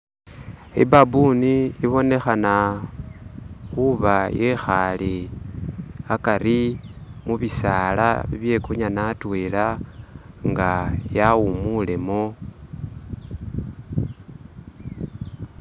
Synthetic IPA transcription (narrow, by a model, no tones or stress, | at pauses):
ḭbabuniːβo̞ne̞xana | xuβajexali | akaɾimuβisala̰βḭβje̞kuɲanatwela | ŋɡajaumule̞mo